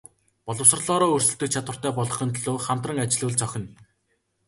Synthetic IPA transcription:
pɔɮɞ̆ws̆rɮɔːɾɔːɵrsɵ̆ɬt̪ɘ̆k̚t͡ɕʰat̪wə̆r̥t̪æːpɔɮʁɞ̆χə̆nt̪ɮoːχam̥t̪rə̆ŋat͡ɕɪ̆ɮuːɮt͡sœxʲɪ̆n

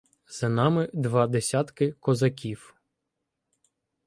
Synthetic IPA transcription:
z̥ɐnɑmɪd̪ʋɑd̪esʲɑt̪kɪkɔzɐkʲiw

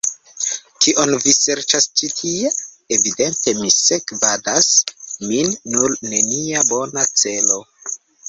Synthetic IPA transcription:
tiʔo̞nvise̞ɾt͡ʃast͡ʃitʰie | evide̞nte̞misekvadasminːuɾne̞niabo̞nat͡se̞lo̞

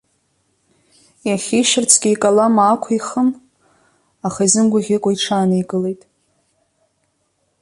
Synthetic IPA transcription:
jaχʲiʃɪrt͡sʰɡʲiikʼalamaːkʷʰiχəm | aχaizɨmɡʷaʁʲɪkʷʼaiʈ͡ʂʰaːnɨjɡʼɨle̞jtʼ

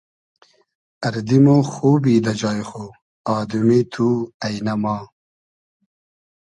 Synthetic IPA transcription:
ɐɾd̪imoxoːbiːd̪ɐd͡ʑɑːjxo | ɑːd̪umit̪ʰuːɐjnɐmɑː

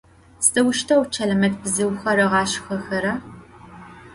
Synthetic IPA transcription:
sɐwʊʃtʰɐwt͡ʃʰɐlɐmɐtbɨzɨwxɐɾɐʁɑːɕxɐxɐɾɐ

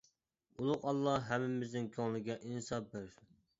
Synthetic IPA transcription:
ulˠʊqɑlˠːɑɦæmːɪmɪznɪnkʲʰoŋlˠɪɡʲɛʔinsɑbɪɾ

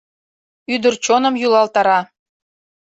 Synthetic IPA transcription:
yd̪ərt͡ɕonəmjulˠɑlt̪ɑɾɑ

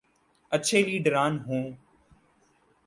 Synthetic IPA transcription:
ət͡ʃʰeːliːɖɾaːnɦũː

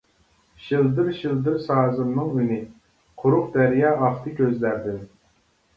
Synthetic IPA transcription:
ʃild̪ɪɾʃild̪ɪɾsɑːzɨɾnɨŋynɪ | qʰʊɾʊqd̪ɛɾjɑːɑχt̪ʰɨkʲøzlæɾd̪ɪn

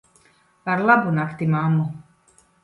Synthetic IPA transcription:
vaɾlabunakʰt̪imaːmu

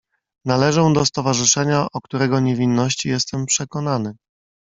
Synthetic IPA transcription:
nalɛʐɔ̃w̃d̪ɔst̪ɔvaʐɘʂɛɲaʔɔkt̪uɾɛɡɔɲevʲinːɔɕt͡ɕijɛst̪ɛmpʂɛkɔn̪anɘ

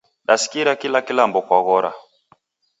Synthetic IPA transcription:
ɗasi̥kiɾakilakilambɔkwaɣɔɾa̰

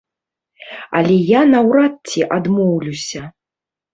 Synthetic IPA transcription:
a̰lʲɛjanɐwɾat̪t͡sʲiʔad̪mɔwlʲusʲɐ

